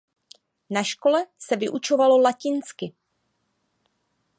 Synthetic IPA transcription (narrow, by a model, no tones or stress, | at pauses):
naʃko̞lɛsɛvɪʔut͡ʃo̞valo̞lacɪnskɪ